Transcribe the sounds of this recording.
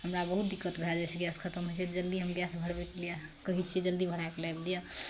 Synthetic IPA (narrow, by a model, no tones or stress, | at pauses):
ɦəmɾabəɦut̪̚d̪ikːət̪bʱead͡ʒat͡ʃʰiɡjaskʰət̪əmɦot͡ʃʰed͡ʒəld̪iɦəmɡjasʰbʱəɽbɛkliakəɦit͡ʃʰid͡ʒəld̪ibʱəɽ̤aekelajbd̪ijə